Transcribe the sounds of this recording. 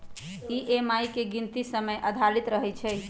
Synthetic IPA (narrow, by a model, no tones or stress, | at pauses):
iʔemajkeɡint̪isəməjʔəd̪ʱaɽit̪ɾəɦɛjt͡ʃʰɛ